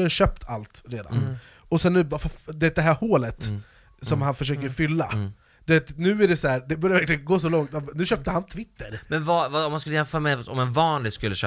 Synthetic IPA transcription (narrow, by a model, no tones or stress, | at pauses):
ɕøːp̚t̪ʰalt̪ɾeːd̪a̰n | ɔsɛnːbɑfad̪ɛɛːt̪̚d̪ɛɦæːɾhoːlət̪ | sɔmhanfœʂ̬øːkəɾfʏlːa | d̪̥ɛɛt̪nʉ̟ːæɖɛsæːɾd̪ɛbœɾjavæɾklɪɡənɡoːsɔlɔŋt̪anʉ̟ɕœːp̚t̪əhant̪ʰvɪt̪ːəɾmɛnvɑvɑɔmhanskɵlːəjɛnfœːɾamɛɔ̰mɛnvɑːnlɪɡskɵlːəɕø̰